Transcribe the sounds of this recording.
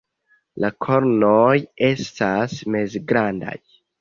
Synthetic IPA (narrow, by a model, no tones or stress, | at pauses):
lakʰoɾnoje̞stasmezɡɾanda̰j